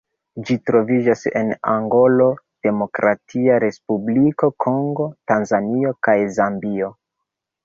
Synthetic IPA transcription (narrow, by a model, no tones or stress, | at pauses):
d͡ʒitɾo̞vid͡ʒase̞̰na̰ŋɡo̞lo̞ | d̥e̞mo̞kɾʔatʰiaɾe̞spubliko̞kʰo̞ŋɡo̞tanzanio̞kajzambio̞